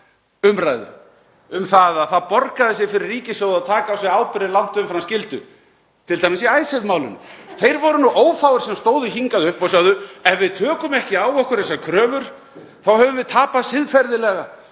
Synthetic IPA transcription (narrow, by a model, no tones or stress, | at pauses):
ʏmɾajðʏ̰ | ʏmθaðaθaðpɔɾkaðɪs̬jɛfɪɾɪriːcɪsjowðaðt̪ʰaːkaːwsɛaːwpɪɾɪlawn̥t̪ʏʏmfɾamscɪlt̪ʏ | t̪ʰɪlt̪ʰajmɪsiaːjsɛvmaːwlʏnʏ̰θejɾvɔɾʏnuʔoːwfaːwʏɾ̥sɛmst̪oːwðʏɦiŋkaðʏhpɔsawðʏɛnvɪðt̪ʰœːkʏmɛhcɪaːwɔhkʏɾðɛsakʰɾœːvʏɾ̥ | θawɦœvʏmvɪðt̪ʰaːpasɪðfɛɾðɪlɛɣa